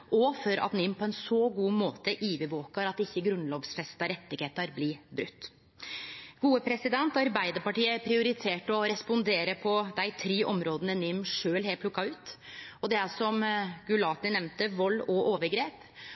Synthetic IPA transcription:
ʔɔfɔɾɑ̰t̪nɪmpʰɔɛnsɔɡuːmoːt̪əʔiːʋəʋoːkɑɾɑt̪ɪçːəɡɾʉnloːʋsfɛst̪ɑɾɛt̪ːɪɡheːt̪əɾblɪbɾʉ̰t̪ː | ɡ̥uːəpʰɾɛsɪd̪ɛnt̪ɔɑɾbæɪd̪əɾpɑʈiːəæɾpʰɾɪʊɾɪt̪ʰeːʈɔɾɛspʊnd̪eːɾəpʰɔd̪æɪt̪ʰɾiːʔɔmɾoːd̪ənənɪmːʂøːlheːpʰlʊkːɑʉːt̪ɔd̪ɛæsɔmɡʉlɑːt̪ɪnɛmnt̪əʋɔlːɔʔoːʋəɾɡɾeːp

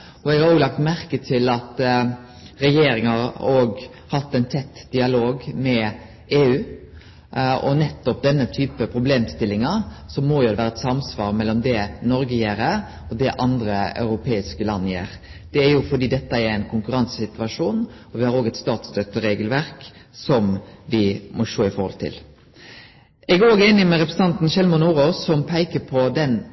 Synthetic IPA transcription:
ɔɛɡɑɾoːɡlɑk̚t̪mæɾkət̪ʰɪlɑt̪ | ɾɛjeːɾɪŋhɑɾoːɡ | hɑt̪ːɛɪnt̪ʰɛt̪ːd̪̥ɪɑloːɡmɛ | eːʉː | ɔnɛt̪ːɔp̚d̪ɛnːət̪ʰyːpəpʰɾʊbleːmst̪ɪlːɪŋɑsɔmɔjʊd̪ɛʋæːɾəɛt̪sɑmsʋɑːɾmɛlːɔmd̪ɛnɔɾɡəjeːɾə | ɔd̪ɛʔɑnd̪ɾəɑ̰ʉɾʊpʰeːɪskəlɑnːjḛːɾd̪̥ɛæɾjʊfɔd̪iːd̪ɛt̪ːəæɾɛɪnkʰʊŋkʉɾɑnsəsɪt̪ʉʋɑʂuːnɔʋɪhɑɾoːɡɛt̪st̪ɑːt̪sd̪œt̪ːəɾeːɡəlʋæɾksɔmʋɪmɔʂoːɪfɔɾhɔ̰lt̪ʰɪ̰l | ʔɛɡæoːɡeːnɪmɛɾɛpɾəsən̩ɑnt̪nʃɛlmɔnuːɾosɔmpʰæɪkəpʰɔd̪ɛn

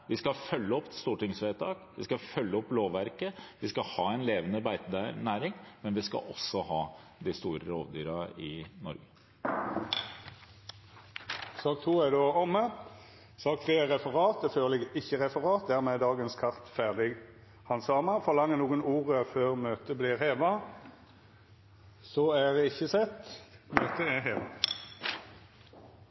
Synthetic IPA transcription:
ʋɪskɑfœlːəɔpːst̪uːʈɪŋsʋeːt̪ʰɑːkʋɪskɑfœlːəɔpːloːʋæɾkəʋɪskɑhɑːɛɪnleːʋənəbæɪt̪ːnæːɾɪŋmɛnʋɪskɑ̰ʔɔsɔhɑːd̪ɪst̪uːɾəɾo̰ːʋd̪yːɾɑɪnɔ̰ɾɡə | sɑːk̚t̪ʰuːæd̪oːɔmːə | sɑːk̚t̪ʰʁeːʁɛfəʁɑːt̪̚d̪ɛføːʁlɛɡɪçəʁɛfəʁɑːt̪̚d̪æːʁmɛd̪ɑːɡənskʰɑʁt̪fæʁd̪ɪɡ | hɑnsɑːməfɔʁlɑŋːənuːɡənuːʁəføːʁmøːt̪əbliːʁheːʋɑ | sɔæd̪ɛɪçːəsɛt̪ːmøːt̪əæɦeːʋɑ

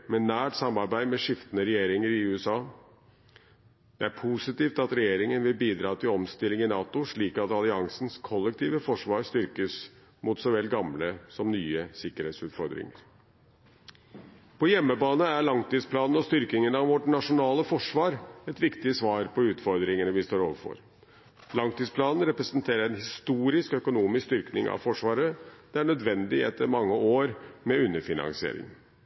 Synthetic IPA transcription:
mɛnæːʈsɑmːɑɾbæɪmɛʂɪft̪ənəɾɛjeːɾɪŋəɾɪʉːɛsɑː | d̪̥ɛæɾpʰusɪt̪iːft̪ɑt̪ɾɛjeːɾɪŋənʋɪlbiːd̪ɾɑːt̪ʰɪlɔmst̪ɪlːɪŋɪnɑːt̪ʊʂɭiːkɑt̪ɑlɪɑŋsnskʰɔlːɛkt̪ʰiːʋəfɔʂʋɑːɾst̪ʏɾkəs | mʊt̪sɔʋɛlːɡɑmləsɔmnyːəsɪkːəɾheːt̪sʉːt̪fɔɾd̪ɾɪ̰ŋə̰ɾ | pʰɔjɛmːəbɑːnəæɾɭɑŋt̪iːspʰlɑːnn̩ɔst̪ʏɾk̪ɪŋənɑʋʋɔʈnɑʂʊnɑːləfɔʂʋɑːɾɛt̪ʋɪkt̪ɪsʋɑːɾpɔʉːt̪fɔɾd̪ɾɪŋənəʋɪst̪oːɾo̰ːʋəɾfɔ̰ɾ | lɑŋt̪iːspʰlɑːnn̩ɾɛpɾɛsənt̪ʰeːɾəɾɛnhɪst̪uːɾɪskœkʊnuːmɪskst̪ʏɾknɪŋɑ̰ʋfɔʂʋɑːɾəd̪̥ɛæɳœd̪ʋɛnd̪ɪɛt̪ʰːəɾmɑŋːəoːɾmɛʉnːəɾfɪnɑ̰ŋsɪḛːɾɪ̰ŋ

